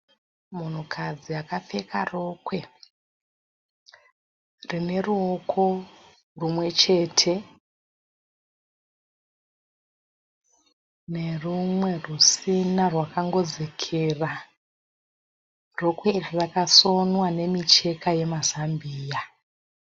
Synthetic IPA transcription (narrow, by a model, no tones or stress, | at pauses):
mun̤ukʰad͡ziakafe̞ka̰ro̞kwe̞ | rine̞ruo̞kʰo̞ | rumwe̞t͡ʃe̞ːtʰe̞ | ne̞rumwe̞rusinarwakaŋɡo̞d͡zekʰera | ro̞kwe̞irirakaso̞nwane̞mit͡ʃe̞kʰaje̞mazambiːja